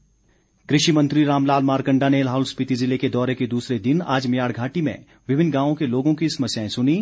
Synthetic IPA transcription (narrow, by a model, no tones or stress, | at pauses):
kɾɪʃimɐ̃nt̪ɾiɾaːmlaːlmaːɾkə̃ɳɖanelɦaːʊlspɪt̪izɪleked̪ɔːɾeked̪uːsɾed̪ɪna̰ːd͡ʒmɪjaːɽɡʱaːʈimḛ̃ | ʋɪbʱɪnɡãːʋõkeloːɡõkisɐmɐsjaːẽsʊniː